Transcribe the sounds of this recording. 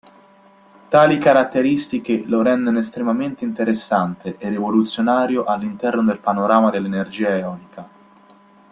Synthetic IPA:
t̪aːlikaɾat̪ːeɾist̪ikeloɾɛnd̪enoest̪ɾemament̪eint̪eɾesːant̪eʔerevolut̪sːjonaːɾjoʔalːint̪ɛrnod̪elpanoɾaːmad̪elːenerd͡ʒiːaeɔːnika

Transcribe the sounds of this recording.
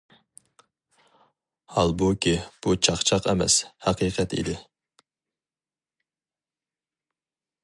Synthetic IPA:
hɑlˠbukʲib̥ut͡ʃʰɑχt͡ʃʰɑqɛ̰mɛ̰shæqʰiːqʰɛt̪ḭd̪ɪ

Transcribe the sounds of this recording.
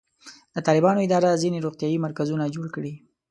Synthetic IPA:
d̪̥ət̪ɑlɪbɑnoɪd̪ɑɾazineɾoɣt̪ijɑimaɾkazunad͡ʒoɽkɽi

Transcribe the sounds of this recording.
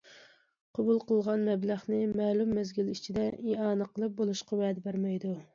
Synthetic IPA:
qʰɑbulˠqʰəlˠʁɑnmɛblæχnɨmɛːlumːɛzɡʲilit͡ʃʰid̪ɛʔiɑːnɨqʰəlˠɨp̚bolˠuʃqɑwɛːd̪ɛbæɾmɛjd̪u

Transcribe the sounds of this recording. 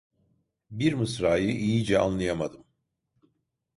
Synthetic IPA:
biɾmɯsɾaːjɯʔijid͡ʒɛa̰nlˠajamad̪ɯm

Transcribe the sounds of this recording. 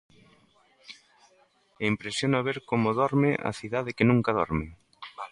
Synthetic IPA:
empɾesjonaβ̞eɾkomoðɔɾmɪʔɐ̰θiðað̞ɪkenũŋkaðɔ̰ɾmɪ

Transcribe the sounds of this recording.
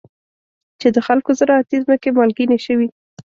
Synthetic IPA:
t͡ʃed̪əxalkozəɾɑat̪izməkemɑlɡineʃəwi

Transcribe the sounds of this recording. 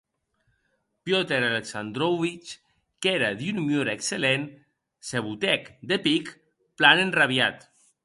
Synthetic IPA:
pjot̪eɾaleksand̪ɾowβit͡ʃ | keɾaðunmjoɾeekselen | seβ̞ut̪ɛkd̪epik | planenraβjat̪

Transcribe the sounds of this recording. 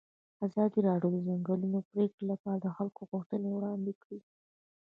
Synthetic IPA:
azɑd̪iɾɑɖjod̪əzaŋɡəlunopɾekɽləkad̪əxalkoɣʊxt̪ənewɽɑnd̪ekɽi

